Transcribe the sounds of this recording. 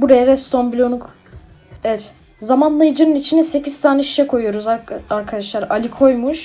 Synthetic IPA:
buɾejaɾɛst̪ʰombilʲo̞nuk | ɛɛt̪ | zamanlˠajɯd͡ʒɯnɯnit͡ʃʰinɛse̞cʰiz̥t̪ʰaːnɛiʃjɛkʰo̞jyjo̞ɾuzaaɾkʰad̪aʃlˠaɾalʲikʰo̞jmuʃ

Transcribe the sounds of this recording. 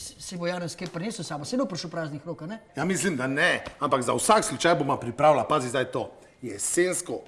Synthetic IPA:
ssɛbojaːnənskepɾneːsusaːbɔsɛed̪opɾʃupɾaːznixɾoːkanɛjamislimd̪anɛampaɡzawsakslut͡ʃajbomapɾipɾawlapaːzizd̪ajt̪oː | jɛsenskɔ

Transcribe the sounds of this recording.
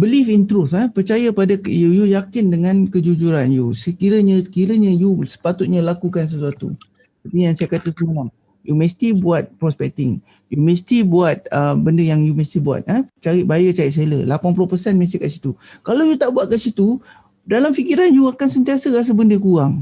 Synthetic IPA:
bəlifint̪ɾuθəpərt͡ʃajapadəjujujakɪndəŋãnkəd͡ʒud͡ʒuɾanjusəkiɾəɲə̃sə̥kiɾəɲəjusə̥pat̪ut̪̚ɲãlakukans̬əsuat̪ṵ | ət̪ijaŋsajakat̪əsəaŋ | jumə̃st̪ibuat̪̚pɾɔspɛk̚t̪ɪŋ | jumə̃st̪ibuat̪̚əbəndəjaŋjumə̃st̪ibua̰t̪̚ət͡ʃaɾɪʔ̪̚bajət͡ʃaɾɪt̪̚sələ̰lapanpulʊhpəsɛnmə̃s̬t̪ikaʔsit̪ukalawjut̪aʔbuat̪̚kaʔsit̪u | dalamfikiɾanjuakansənt̪iasəɣas̬əbəndəkuɾaŋ

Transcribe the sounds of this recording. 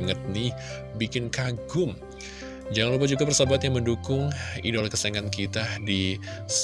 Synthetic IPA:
ŋət̪̚ni | bikɪnkaɡʊm | d͡ʒaŋanlupad͡ʒuɡapərsabat̪jaŋməndukʊŋḭdɔlkəsaeŋankit̪adis

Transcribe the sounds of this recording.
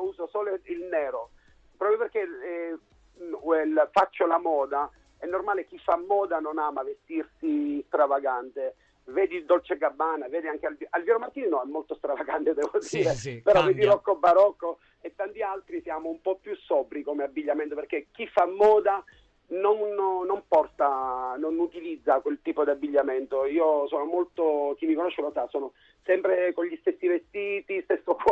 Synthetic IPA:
uːsosoːloilnɛːɾo | pɾɔpjoperkːe | ɛlfat͡ʃːolamɔːd̪a | ɛnːormaːlek̟ifːamːɔːd̪anonaːmavest̪irsist̪ɾavaɡant̪e | vɛːd̪id̪olt͡ʃeɡabːaːnavɛːd̪iaŋk̟ealvalvjɛːɾomart̪ːiːninɔɛmːolt̪ost̪ɾavaɡant̪ed̪ɛːvod̪iːɾepeɾɔvɛːd̪ilɔkːobːaɾɔkːo | et̪ːant̪ialt̪ɾisjaːmoumpɔpːjusːɔːpɾikomeabːiʎːament̪operk̟ek̟ːifːamːɔːd̪a | nonːompɔrt̪anonut̪ilid̪zːakwelt̪iːpod̪iabːiʎːament̪oiːosoːnomolt̪ok̟imːikonoʃːelosasoːno | sɛmpɾekoɲʎist̪esːivest̪iːt̪ist̪esːok

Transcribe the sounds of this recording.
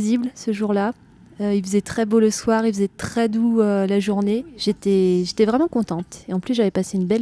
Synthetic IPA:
ziblsəʒuʁla | øilfəzɛt̪χɛboləswaʁilfəzɛt̪χɛd̪uølaʒuʁneʒ̥et̪ɛʒet̪ɛvʁɛmɑ̃kɔ̃t̪ɑ̃t̪eɑ̃plysʒavɛpaseynbɛl

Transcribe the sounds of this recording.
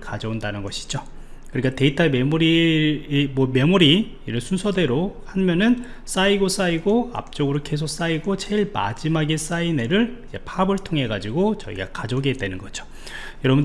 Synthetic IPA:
kad͡ʑʌundanɯnɡʌɕʰi̥d͡ʑo | kɯɾik͈ate̞itʰame̞muɾi | mwʌme̞muɾi | iɾɯɭsʰunsʰʌde̞ɾohanmjʌnɯn | s͈aiɡos͈aiɡoa̰p̚t͡ɕ͈oɡɯɾoke̞s̬ʰok̚s͈aiɡot͡ɕʰeiɭma̰d͡ʑimaɡes͈aine̞ɾɯɭid͡ʑe̞pʰabɯɭtʰoŋɦe̞ɡad͡ʑiɡot͡ɕʌ̰ḭɡa̰kad͡ʑoɡedwe̞nɯnɡʌd͡ʑo | jʌɾʌbn

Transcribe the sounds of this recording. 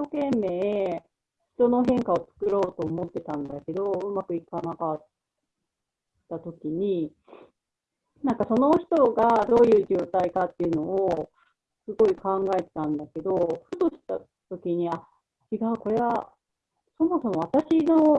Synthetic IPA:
ɕokẽ̞mːe̞ːe | çi̥t̪o̞no̞ɦẽ̞ŋkao̞t͡sɨ̥kɯ̟ɾo̞ːt̪o̞ːmo̞t̪ːe̞t̪ãnd̪ake̞d̪o̞ɯ̟makɯ̟ikanakat̪ | at̪o̞kʲiɲ̟i | nãŋkaso̞no̞çi̥t̪o̞ɡad̪o̞ːjɯ̟ːʑoːt̪aikat̪ːe̞iɯ̟no̞ː | sɨɡo̞ikãŋɡae̞t̪e̞̥t̪ãnd̪ake̞d̪o̞ɸɯ̟t̪o̞ɕi̥t̪a | t̪o̞kʲiɲ̟ia | t͡ɕiɡaɯ̟ko̞ɾe̞βa | so̞mo̞so̞mo̞β̞at̪aɕino̞

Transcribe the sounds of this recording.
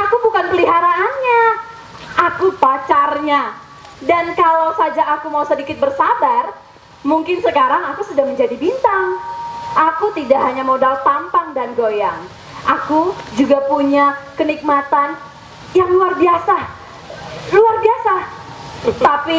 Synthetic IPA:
ʔakubukanpəliɦaɾaʔːnɲa | ʔakupat͡ʃarɲa | dankalawsad͡ʒaʔakumausədikɪt̪̚bərsabar | muŋkɪnsəkaɾaŋakusudaŋməɲd͡ʒadibint̪aŋʔakut̪idaʔɦaɲamodalt̪ampaŋdanɡojaŋ | ʔakud͡ʒuɡapuɲakənik̚mat̪an | jaŋluarbiasa | luarbiasa | t̪api

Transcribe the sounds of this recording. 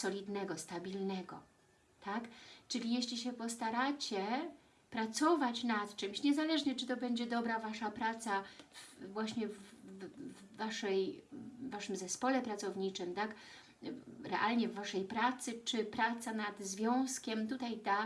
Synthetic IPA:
sɔlʲid̪nɛɡɔst̪abʲilnɛɡɔ̰ | t̪akt͡ʂɘlʲijeɕlʲiɕɛpɔst̪aɾat͡ɕɛ | pɾat̪sɔvat͡ɕnat̪t͡ʂɘmɕɲɛzalɛʐɲɛt͡ʂɘt̪ɔbɛɲd͡ʑɛd̪ɔbɾavaʂapɾat̪savvwaɕɲɛv | aʂɛjː | aʂɘmzɛspɔlɛpɾat̪sɔvɲit͡ʂɘmt̪ak | ɾɛʔalɲɛvːaʂɛjpɾat̪sɘt͡ʂɘpɾat̪sanad̪zvʲjɔ̃w̃skʲɛmt̪ut̪ajd̪a

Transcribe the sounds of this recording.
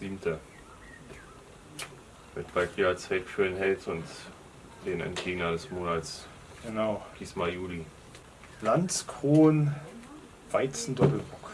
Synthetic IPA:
ziːbmtʰə | vɪtb̥altiːʁɐt͡saɪtfyɐnɦɛltʊnt | d̥eːnɛ̰ntɡ̥eːɡnɐdɛsmoːnats | ɡ̥ənaʊd̥iːsmajuːli̥ | lant͡skʁ̥oːn | v̥aɪt͡sn̩dɔpl̩bʁʊk

